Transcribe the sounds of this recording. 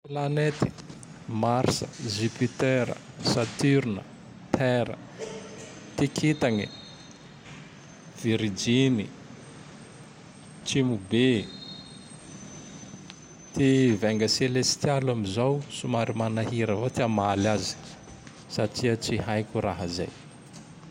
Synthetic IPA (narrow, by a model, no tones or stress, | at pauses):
planet̪i̥ | maɾsə̰zipit̪eɾə̰ | sat̪yɾunə̰ | t̪ʰɛɾə̰ | t̪ekʰit̪aŋḭ | viɾid͡ʒini | t͡ʃimube | t̪ʰevɛŋɡəselest̪jalamizawsumaɾimanaɦiɾəvat̪eamalazi̥ | saʈ͡ʂiət͡siɦajkʲuɾaɦəza̰j